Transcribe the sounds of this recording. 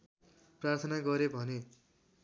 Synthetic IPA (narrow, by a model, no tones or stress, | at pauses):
prart̪ʰʌnaɡʌɾebʱʌne